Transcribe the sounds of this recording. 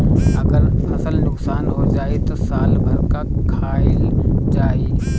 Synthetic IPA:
ɐɡəɾpʰɐsəlnʊksaːnɦod͡ʒaːet̪osaːlbʱəɾkakʰaːɪld͡ʒaːi

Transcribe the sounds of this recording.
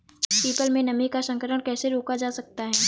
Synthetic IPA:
piːpəlmẽnɐmikasɐ̃ŋkəɾəɽ̃kɛːseɾoːkad͡ʒaːsɐk̚t̪aɦɛː

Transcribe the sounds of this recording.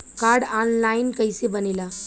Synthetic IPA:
kaɾɽanlainkəjsebənila

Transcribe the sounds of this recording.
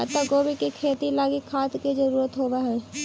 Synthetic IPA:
t̪oɡoːbikikʰeːt̪ilaːɡikʰːaːt̪ked͡ʒəɾuːɾət̪ɦoːbaɦɛ̃ː

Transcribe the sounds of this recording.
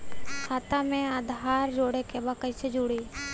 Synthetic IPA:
kʰaːt̪amẽad̪ɦaːɾd͡ʒoːɽekebəkəjsed͡ʒuɽeː

